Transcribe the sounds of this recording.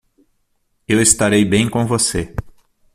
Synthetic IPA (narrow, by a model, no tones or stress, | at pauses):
ewɪst̪aɾejbẽj̃kõvose